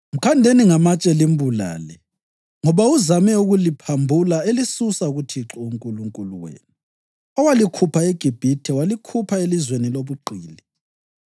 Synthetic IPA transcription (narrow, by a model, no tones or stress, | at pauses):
m̩kʰandʱeniŋamat͡ʃʼɛlimbʱula̰ːlɛ | ŋɔβauzamɛuɣulipʰambʱulaelisusauɣutʰiǁɔuŋkʼuluŋkʼulṵwḛːni | ɔwalikʰupʰaeɡ̥ʱib̥ʱitʰɛwalikʰupʰaelizweniloβuǃʱiːli